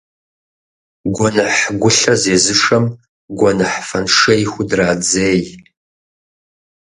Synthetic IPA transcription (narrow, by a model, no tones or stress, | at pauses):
ɡʷɔnɐħɡʷʊɬɐzeːzɨʂɐm | ɡʷɔnɐħfɐnʂɐjxʷʊdraːd͡zeːj